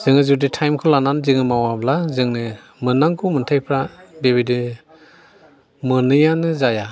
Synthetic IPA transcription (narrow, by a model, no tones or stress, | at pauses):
z̥ɯŋɯzuditʰajmkʰɔlananzɯŋɯmawablazɯŋnɯ | mɯnaŋkʰumɯntʰajpʰɾabeβidi | mɯnɯjanɯzaja